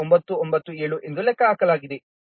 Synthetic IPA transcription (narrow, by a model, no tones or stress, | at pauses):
ombɐt̪ːuombɐt̪ːueːɭuʔend̪ulɛkːɐaːkɐlaːɡid̪e